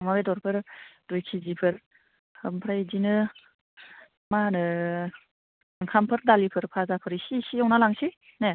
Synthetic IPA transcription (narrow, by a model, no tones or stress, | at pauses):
mabedɔɾpʰɯɾd̥ojkʰizipʰɯɾ | hɯmpʰɾajzinɯ | manɯ | ɯŋkʰampʰɯɾdalipʰɯɾpʰazapʰɯɾisisiawnalaŋsi | ne